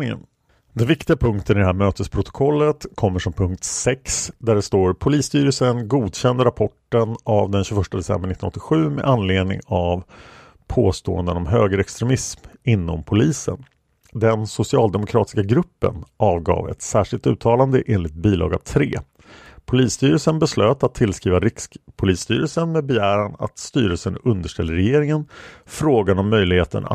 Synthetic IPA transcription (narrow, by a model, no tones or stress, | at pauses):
ɪŋə̰n | d̪ɛnvɪkt̪ɪɡapʰɵŋkt̪ʰənɪd̪ɛhɦæːɾmøːt̪əspʰɾʊt̪ɔ̥kʰɔlːət̪kʰɔmːəʂɔmpʰɵŋk̚t̪sɛksd̪æɖɛst̪oːɾpʰʊliːst̪yːɾəlsənɡuːd̪ɕɛnd̪əɾapʰɔʈːənavd̪ɛnɕɵfœʂʈad̪ɛsɛ̰mbəɾɳɪt̪ːnɔt̪ːɪɧʉ̟ːmɛ̰ʔanleːd̪nɪ̰ŋav | pʰoːst̪o̰ːənd̪ənɔmɦøːɡəɾɛkst̪ɾɛmɪsmɪnːɔ̰mpʰʊliːsə̰n | d̪ɛnsʊsɪɑːld̪ɛmʊkʰɾɑ̰ːt̪ɪ̥skaɡɾɵpːə̰nʔɑːvɡɑ̰ːvɛ̰t̪sæːʂɪlt̪ʉ̟ːt̪ʰɑːland̪əʔeːnlɪɡt̪̚biːlɑ̰ːɡa̰vt̪ʰɾḛː | pʰʊliːst̪yːɾəlsənbɛsløːt̪at̪ʰːɪlskɾiːvaɾɪkpʰʊliːst̪y̰ːɾəlsənmɛːd̪bɛjæːɾana̰t̪st̪yːɾəlsənɵnd̪əʂʈɛlːəɾɛjeːɾɪŋənfɾoːɡanɔmːœjlɪɡheːt̪ə̰n̰